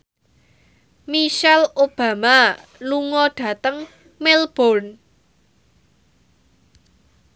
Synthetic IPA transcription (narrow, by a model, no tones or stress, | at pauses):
miʃɛlob̥a̤maluŋɔɖ̥ä̤t̪əŋ | melb̥ɔn